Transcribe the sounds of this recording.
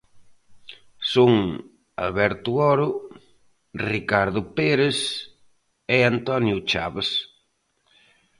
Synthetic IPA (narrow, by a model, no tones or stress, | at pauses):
soŋ | a̰lβɛɾt̪ʊɔɾʊ | rikaɾðʊpeɾes | eant̪ɔnjʊt͡ʃaβes